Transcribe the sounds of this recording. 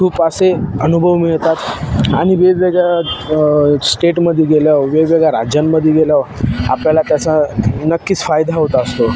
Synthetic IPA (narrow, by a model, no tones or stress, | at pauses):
kʰuːpaseənubʱəʋmiɭt̪at̪aɽ̃iʋeʋeɡa | sʈeʈməd̪ʱːjieɡeljaʋʋeʋeɡaɾad͡ʑjamːəd̪ʱːjeɡeljaʋa̰pljalat̪jasanəkːiːt͡sfajd̪ʱaɦot̪əst̪o